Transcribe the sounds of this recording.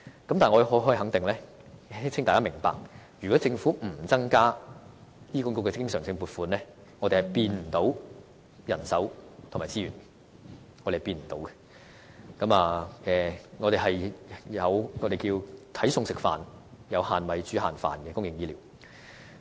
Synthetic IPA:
kɐ˨˦mt̪aː˨ŋɔ˧hɔ˨˧˥ɦɔː˥˨ɦɐ˨˥ŋt̪ɪ˨ŋlɛː˥ | sɪ˥t͡sʰɪ˥ŋtaː˨kaː˥mɪ˨˩ŋpa̰ː˨k̚jy˨˩kɔː˨˥t͡sɪ˧ŋfuː˨˥m̩˨˩t͡sɐ˥ŋkaː˥ | jiː˥kʊ˨˥nkʊ˥kɛ˧˥kɪ˥ŋsœ̰ː˨˩ŋsɪ˧ŋpuː˨t̚fuː˨˧nlɛː˥ | ŋɔː˨˧te˨˩hɐ˨˩jpiː˧nm̩˨˩t̪o˨˥w | jɐ˨˩nsɐ˨˥wt̪ʰʊ˨˩maː˨˩t͡siː˥ɥyː˨˩n | ŋɔː˨˧e˨˩piː˧nm̩˨˩t̪o˨˧wkɛ̥˧ | kɐ˨˥maː˨ɛː˨ŋɔː˨˧ɾe˨˩ɦɐ˨jjɐ˨˧wŋɔː˨˧ɾe˨jkiː˧wt̪ʰɐ˨˥jsʊ˧ŋsɪ˨k̚fa̰ː˨njɐ˨˧whaː˨nwɐ˨˧jt͡ʃyː˨˥ɦaː˨nfa̰ː˨nkɛ˧kʊ˥ŋjɪ˨ŋjiː˧liː˨˩w

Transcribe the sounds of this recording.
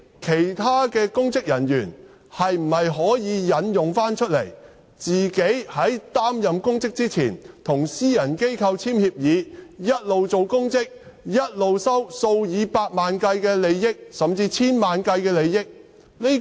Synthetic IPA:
kʰe˨˩jt̪ʰaː˥kɛː˧kʊ˥ŋt͡sɪ˥k̚jɐ˨˩njyː˨˩n | hɐ˨jm̩˨˩hɐ˨jɦɔː˨˥jiː˨˧jɐ˨˥njʊ˨ŋfaː˥nt͡ʃʰɵ˥t̚lḛ˨˩j | t͡siː˨ke˨˥jhɐ˨˥jt̪aː˥mjɐ˨mkʊ˥ŋt͡sɪ˥k̚t͡siː˥t͡sʰḭː˨˩nt̪ʰʊ˨˩ŋsiː˥jɐ˨˩nke˥jkʰɐ˧wt͡sʰiː˥mhi˧p̚jiː˨˧jɐ˥t̚lo˨wt͡so˨wkʊ˥ŋt͡sɪ˥k̚ | jɐ˥t̚lo˨wsɐ˥wso˧wjiː˨˧paː˧k̚maː˨nkɐ˧jkɛː˧le˨˧jːɪ˥k̚sɐ˨mt͡siː˧t͡sʰiː˥nmaː˨nkɐ˧jkɛː˧le˨˧jːɪ˥k̚ | ni˥

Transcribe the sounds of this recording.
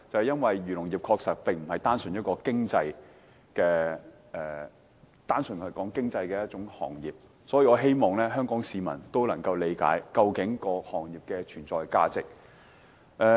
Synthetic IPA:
t͡sɐ˨whɐ˨jɐ˥nwɐ˨jɥyː˨˩lʊ˨˩ŋjiː˨˩p̚kʰɔː˧k̚sɐ˨k̚pɪ˨ŋm̩˨˩hɐ˨jt̪aː˥nsɵ˨njɐ˥t̚kɔː˧kɪ˥ŋt͡sɐ˧j | kɛː˧ | ʔɛː˨ | t̪aː˥nsɵ˨˩nhʰɵ˨˩kɔː˨˥ŋkɪ˥ŋt͡sɐ˧jkɛː˧jɐ˥t̚t͡ʃʊ˨˥ŋhɔ̰ː˨˩ŋjiː˨˩p̚ | sɔː˨˥jiː˧ɔː˨˧ɦe˥jmɔː˨˩ŋlɛː˥ɦœː˥ŋkɔː˨˥ŋsiː˨˧mɐ̰˨˩nt̪o˥wlɐ˨˩ŋkɐ˧wle˨˧jka̰ː˨˥jkɐ˧wkɪ˨˥ŋkɔː˧hɔː˨˩ŋjiː˨˩p̚kɛː˧t͡ʃʰyː˨˩nt͡sɔː˨jka̰ː˥t͡sɪ˨k̚ | ʔɛː˧

